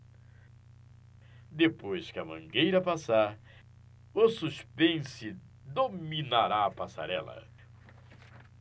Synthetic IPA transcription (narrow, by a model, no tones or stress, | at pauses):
d̪epojskɪɐmɐ̃ɡejɾɐpasaɾ | ʊsuspẽsɪ | d̪ominaɾaɐpasa̰ɾɛ̰lɐ̰